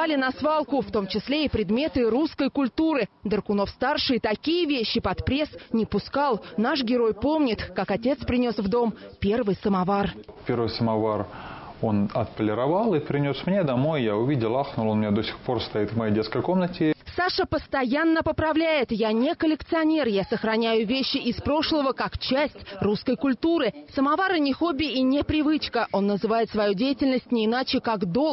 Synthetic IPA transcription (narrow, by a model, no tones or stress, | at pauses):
alʲɪnɐsvalˠkʊft̪o̞mt͡ɕɪsʲlʲeɪpɾʲɪd̪mʲe̞t̪ɨɾuskəjkʊlʲt̪uɾɨd̪ərkʊno̞fst̪arʂɨɪt̪ɐkʲijəvʲeɕːɪpɐt̪pɾʲe̞snʲɪpʊskalˠnaʂɡʲɪɾo̞jpo̞mnʲɪt̪kakɐtʲe̞t̪spɾʲɪnʲo̞svd̪o̞mpʲe̞rvɨjsəmɐvar | pʲe̞ɾvɨjsəmɐvaro̞nɐt̪pəlʲɪɾɐvalˠɨpɾʲɪnʲo̞smnʲed̪ɐmo̞jːaʊvʲidʲɪlˠaxnʊlˠonmʲɪnʲad̪o̞sʲɪ̥xpo̞rst̪ɐit̪vmɐjejdʲeskəjko̞mnətʲɪsaʂəpəst̪ɐjanːəpəpɾɐvlʲæjɪt̪janʲɪkəlʲɪkt̪sɨɐnʲe̞rjasəxɾɐnʲæjʊvʲeɕːɪʔɪspɾo̞ʂlˠəvəkakt͡ɕæsʲtʲruskəjkʊlʲt̪uɾɨsəmavaɾənʲɪxo̞bʲɪʔinʲɪpɾʲɪvɨt͡ɕkəʔo̞nːəzɨvajɪt̪svɐjudʲejɪtʲɪlʲnəsʲtʲnʲɪɪnat͡ɕɪkaɡd̪o̞